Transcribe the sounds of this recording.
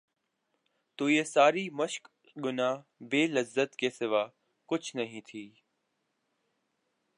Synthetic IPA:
t̪uːjesaːɾiːməʃk | ɠʊnaːbeːləzːət̪keːsɪʋaː | kʊt͡ʃʰnɐɦĩːt̪ʰiː

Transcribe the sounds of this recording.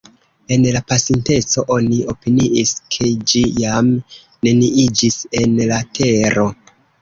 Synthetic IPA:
e̞nlapasinte̞t͡so̞ʔo̞nio̞piniʔiskʰe̞d͡ʒijam | ne̞niid͡ʒise̞nlatʰe̞ɾo̞

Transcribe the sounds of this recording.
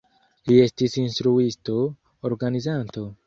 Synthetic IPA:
lie̞stisinstɾuisto̞ː | ɾɡanizanto̞

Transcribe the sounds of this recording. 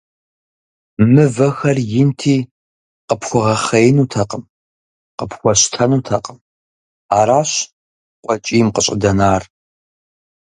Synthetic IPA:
mɨvɐxɐrjɪntʰiː | qəpʰxʷʊʁɐχɐjnuːtʰɐqʼəm | qəpʰxʷɔɕtʰɐnuːtʰɐqʼəm | aːɾaːɕ | qʷʼɔt͡ʃʼiːmqəɕʼɪ̰dɐnaːr

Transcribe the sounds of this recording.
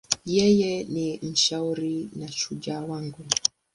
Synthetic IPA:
jɛjɛnim̩ʃauɾinaʃud͡ʒawaŋɡu

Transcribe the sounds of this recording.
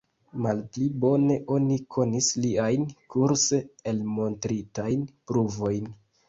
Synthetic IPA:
malplibo̞ne̞ʔo̞nikʰo̞nisliajnkʰuɾseelmo̞ntɾitajnpɾuvo̞jn

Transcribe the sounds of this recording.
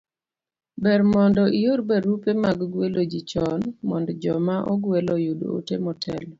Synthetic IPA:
bɛɾmɔndɔʔijoɾbɛɾupemaɡɡwelod͡ʒit͡ʃɔnmɔndɔd͡ʒɔmaʔɔ̰ɡwelɔjudo̰o̰temɔtʰɛlɔ

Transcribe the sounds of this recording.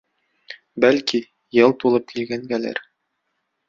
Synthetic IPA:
bælki | jɤlˠt̪ulˠɤp̚kilɡæŋɡælæ̰ɾ

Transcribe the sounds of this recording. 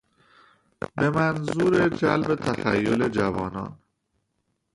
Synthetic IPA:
bemænzuːɾed͡ʒæ̰lbet̪ʰæxæ̰jːole̞d͡ʒævɒːnɒ̰ːn

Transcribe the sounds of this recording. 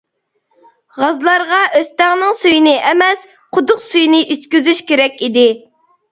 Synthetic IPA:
ʁɑzlˠɑɾʁɑʔøst̪ɛʁnɪŋsujinɪʔɛmɛs | qʰʊd̪ʊqsujnɪʔyt̪kʲyzyʃkʲeɾɛkʲid̪ɪ

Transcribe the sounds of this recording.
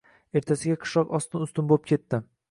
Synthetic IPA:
e̞ɾt̪ʰasɪɡʲaqʰɨ̥ʃɒqɒst̪ɪnʊst̪ɪnbolˠp̚kʲʰe̞t̪ːɪ

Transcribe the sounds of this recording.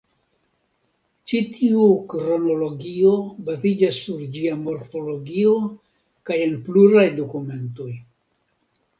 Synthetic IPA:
t͡ʃitʰiukɾo̞no̞lo̞ɡio̞bazid͡ʒasːuɾd͡ʒiamo̞ɾfo̞lo̞ɡio̞ | kaje̞npluɾajdokume̞nto̞j

